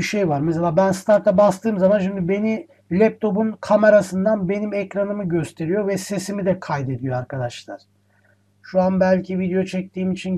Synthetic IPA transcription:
iʃejvaɾmɛs̬elʲaːbænst̪ʰaɾt̪ˠabast̪ʰɯːmzamanʃimd̪ibe̞ni | lʲɛp̚t̪ʰo̞bunkʰame̞ɾasɯnd̪anbe̞nimɛcɾanɯmɯɟø̞st̪ʰe̞ɾijo̞vɛse̞simid̪ɛkʰajd̪e̞d̪ijo̞aɾkʰad̪aʃlˠa̰ɾ̥ | ʃuanbælʲcʰivid̪ejo̞t͡ʃʰɛc̚t̪ʰiːmit͡ʃʰin

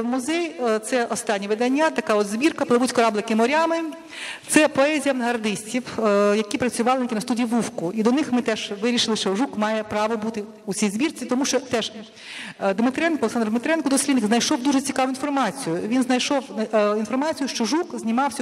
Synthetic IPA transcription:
muzɛjt̪sɛʔɔst̪ɑnʲːiʋɪd̪ɐnʲːat̪ɐkɑɔd̪zbʲirkɐplˠɐʋutʲkɐɾɑblˠɪkɪmɔɾʲamɪ | t̪sɛpɔɛzʲijɐɦɐrd̪ɪsʲtʲiwjɐkʲipɾɐt͡sʲʊʋɑlˠɪnɪkʲinɐst̪udʲijiʋufkʊid̪ɔnɪxmɪt̪ɛʒ̥ʋɪɾʲiʃɪlˠɪʃt͡ʃɔʒukmɑjɛpɾɑʋɔbut̪ɪ | ut͡sʲijzbʲirt͡sʲit̪ɔmuʃt͡ʃɔt̪ɛʒ | d̪mɪt̪ɾɛnkɔleksɑnd̪rd̪mɪt̪ɾɛnkɔd̪ɔsʲlʲid̪nɪkznɐjʃɔwd̪uʒet͡sʲikɑʋʊinfɔrmɑt͡sʲijʊʋʲinznɐjʃɔwinfɔrmɑt͡sʲijʊʃt͡ʃɔʒukzʲnʲimɑwsʲɐ

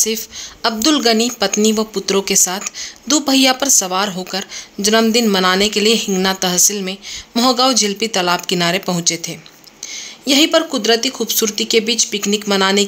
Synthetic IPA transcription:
sɪɾfɐb̚d̪ʊlɡənipɐt̪niʋɐpʊt̪ɾõkesaːt̪ʰd̪uːbʱɐɦijapɐɾsɐʋaːɾɦoːkəɾd͡ʒɐnəmd̪ɪnmɐnaːnekelieɦɪ̃ŋɡnat̪ɐɦsɪlmẽmɔɦɡaːwd͡ʒʱɪlpit̪ɐlaːpkɪnaːɾepɐɦʊ̃t͡ʃet̪ʰeː | jɐɦipɐɾkʊd̪ɾət̪ixuːbsuːɾt̪ikebiːt͡ʃpɪknɪkmɐnaːne

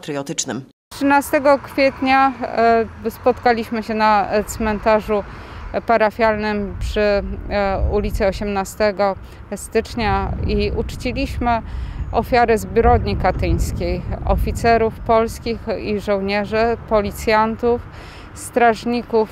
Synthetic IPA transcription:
t̪ɾɘjɔt̪ɘt͡ʂnɘm | tʂɘnast̪ɛɡɔkfʲjɛt̪ɲa | spɔt̪kalʲiɕmɘɕɛnat̪smɛnt̪aʐupaɾafʲjalnɘmpʂɘ | ulʲit̪sɘɔɕɛmnast̪ɛɡɔ | st̪ɘt͡ʂɲaiut͡ʂt͡ɕilʲiɕmɘɔfʲjaɾɘzbʲɾɔd̪ɲikat̪ɘɲ̃skʲejɔ̰fʲit̪sɛɾufpɔlskʲixiʐɔ̃w̃ɲɛʐɘpɔlʲit̪sʲjant̪uf | st̪ɾaʐɲikuf

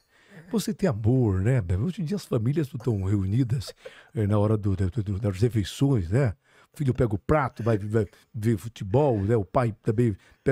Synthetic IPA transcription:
voset̪ẽamoɾnɛmɛoʒẽd͡ʒiɐɐsfamiljɐsnõt̪ɐ̃w̃heunid̪ɐsɛnɐɔɾɐd̪ʊʊɔɾɐshefejsõj̃snɛ | ʊfilʊpɛɡɐʊpɾat̪ʊvajvaj | vefut͡ʃ̪ibɔwnɛʊpajt̪ɐ̃bẽj̃ | pɛ

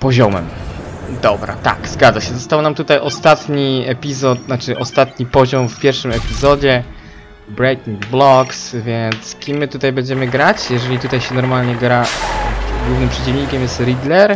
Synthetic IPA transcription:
pɔʑɔmɛ̰md̪ɔbɾa̰t̪a̰kzɡad̪zaɕɛzɔst̪awnamt̪ut̪ajʔɔst̪at̪ɲiɛpʲizɔt̪̚nat͡ʂɘʔɔst̪at̪ɲipɔʑɔmfpʲjɛɾfʂɘmɛpʲizɔd͡ʑɛ | bɾɛjk̪ʲiŋɡblɔksvʲjɛnt̪skʲimːɘt̪ut̪ajbɛɲd͡ʑɛmɘɡɾat͡ɕjɛʐɛlʲit̪ut̪ajɕɛnɔɾmalɲɛɡɾa | ɡwuvnɘmpʂɛt͡ɕivɲikʲɛmjɛst̪ɾʲid̪lɛɾ

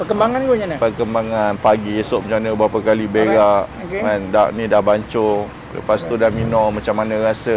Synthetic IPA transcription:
pəkəmbaŋanɡoɲanapəkəmbaŋanpaɡiesʊʔmat͡ʃamanəbɾapakalibeɾaʔokeandaʔnidahbaɲt͡ʃʊ | lə̰past̪udahminɔmãt͡ʃamanãrasə

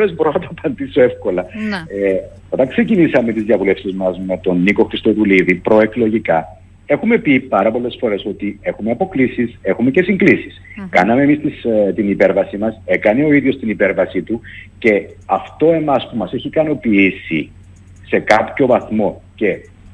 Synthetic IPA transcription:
ɾezbo̞ɾonɐt̪ɐpɐnd̪iso̞e̞fko̞lɐe | ot̪ɐŋkse̞cinisɐme̞t̪izðiɐvule̞fsizmɐzme̞t̪o̞nːiko̞xɾist̪o̞t̪uliðipɾo̞e̞klo̞ʝikɐ | e̞xume̞pipɐɾɐpo̞lːe̞sfo̞ɾe̞so̞t̪ie̞xumeɐpo̞klisise̞xume̞ce̞siŋɡlisi̥skɐnɐme̞mist̪ist̪inipe̞ɾvɐsimɐse̞kɐneoiðjo̞st̪inipe̞ɾvɐsit̪uce̞ɐft̪o̞e̞mɐspumɐse̞çikɐno̞piisi | se̞kɐpço̞vɐθmo̞ce̞

